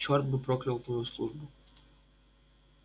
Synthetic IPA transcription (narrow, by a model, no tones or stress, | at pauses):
t͡ɕɔrt̪̚bɨpɾoklʲɪlˠt̪nujʊslˠuʐbʊ